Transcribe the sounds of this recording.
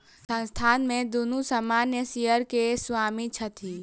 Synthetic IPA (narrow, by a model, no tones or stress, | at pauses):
sə̃nst̪ʰaːnmẽd̪unusəmaːnjəsijəɾkesʋaːmit͡ʃʰət̪ʰiː